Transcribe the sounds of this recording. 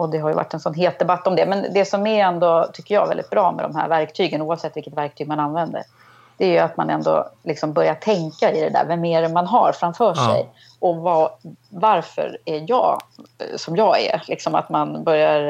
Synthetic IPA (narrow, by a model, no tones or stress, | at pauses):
ɔd̪ɛɦaɾjɵva̰ʈːɛnsɔnɦeːt̪̚d̪ɛbat̪ːɔmd̪ɛmɛnd̪ɛsɔmæɾɛnd̪ot̪ʰʏkːəjɑ̰ːvɛld̪ɪ̰t̪bɾɑːmɛ̰d̪ɔ̰mɦæ̰ːɾvæɾkt̪ʰyːɡənuːavsɛt̪ːvɪlkːət̪væɾk̚t̪ʰyːɡ̚mananvɛnd̪ə̰ɾ | d̪̥ɛæɾjɵat̪ma̰nɛnd̪o̰lɪksɔmbœɾjaʈʰɛŋkaɪd̪ɛd̪æ̰ːɾvɛmeːɾmanɦaɾfɾamfœːʂɛ̰j | ɔvɑːvaɾfœ̰ɾæjɑ̰ːsɔmjɑːæ̰lʔɪksɔma̰t̪manbœɾjaɾ